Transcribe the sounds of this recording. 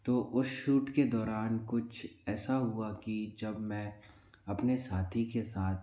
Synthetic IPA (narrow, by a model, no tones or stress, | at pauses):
t̪oːʔʊsʃuːʈked̪ɔːɾaːnkʊt͡ʃʰɛːsaɦʊakid͡ʒɐbmɛ̃ː | ɐpnesaːt̪ʰikesaːt̪̚ʰ